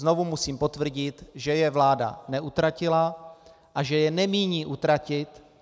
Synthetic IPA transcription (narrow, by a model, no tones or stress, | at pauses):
zno̞vumusiːmpo̞t̪vr̩ɟɪt̪ʒɛjɛvlaːda̰nɛʔut̪ɾacɪla | ʔaʒɛjɛnɛmiːɲiːʔut̪ɾacɪt̪